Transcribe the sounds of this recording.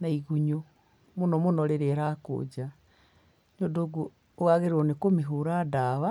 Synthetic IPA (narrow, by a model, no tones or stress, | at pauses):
naiɣuɲo | monɔmonɔɾeɾeɾako̰d͡ʒa | ɲodoɣu | oɣaɣeɾonekomeɦuɾadaβa